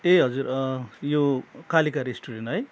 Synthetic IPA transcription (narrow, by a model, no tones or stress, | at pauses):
eɦʌd͡zurjokalikaɾesʈuɾenɦʌj